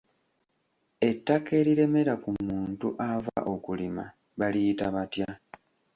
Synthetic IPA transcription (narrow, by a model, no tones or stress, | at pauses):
e̞tːake̞ɾiɾe̞me̞ɾakumuːntuʔava̰ʔo̞kulima̰ | βalijitaβatja